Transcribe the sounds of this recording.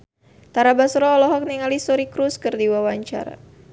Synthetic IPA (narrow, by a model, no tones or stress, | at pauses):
t̪aɾabasɾɔːlɔɦɔk̚niŋalisɔɾikɾuskɨrdiwawaɲt͡ʃa̰ɾa̰